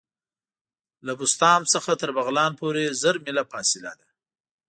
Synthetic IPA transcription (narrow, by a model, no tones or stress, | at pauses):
labʊst̪ɑmsəxat̪əɾbaɣlɑnpoɾezəɾmɪlafɑsɪla̰d̪a